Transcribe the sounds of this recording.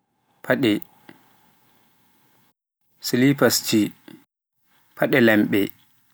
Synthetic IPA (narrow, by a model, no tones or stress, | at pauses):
pʰaɗɛ | silipast͡ʃi | pʰaɗɛlɛmɓɛ